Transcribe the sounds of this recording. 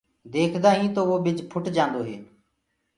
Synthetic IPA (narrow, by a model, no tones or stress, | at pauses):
d̪eːkʰd̪aːɦĩːt̪oːʋoːɓɪd͡ʒpʰʊʈd͡ʒãːnd̪oːɦeː